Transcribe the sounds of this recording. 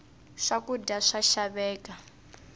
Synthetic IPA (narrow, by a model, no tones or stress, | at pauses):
ʂakudaʂaʃaβɛːka